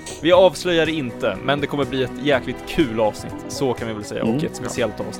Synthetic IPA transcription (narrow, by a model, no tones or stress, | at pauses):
vɪɑːvslœjːad̪ɛɪnt̪əmɛnd̪ɛkʰɔmːəbliːɛt̪jɛːklɪɡ̚t̪kʰʉ̟ːlɑːvsnɪ̰t̪ːsɔkʰanvɪvɛlsɛjːa̰ɔkɛt̪spɛsɪɛlt̪ɑ̰ːvs